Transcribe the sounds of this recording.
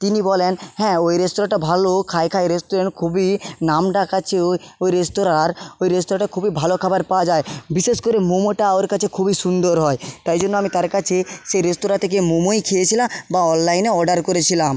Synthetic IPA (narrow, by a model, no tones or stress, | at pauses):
t̪inibɔlenhɛ̃ojɾesʈoɾaʈabʱalokʰaekʰaeɾesʈoɾeɳʈkʰubinamɖakat͡ɕʰeoojɾesʈoɾaɾojɾesʈoɾaʈakʰubibʱalokʰabaɾpawad͡ʑaebiʃeʃkoɾemumoʈaaoaɾkat͡ɕʰekʰubiʃund̪oɾɦɔet̪ajd͡ʑonːoamit̪aɾkat͡ɕʰeʃejɾesʈoɾat̪ʰek̬emumojkʰijet͡ɕʰilabaɔnlajneɔɖaɾkoɾet͡ɕʰilam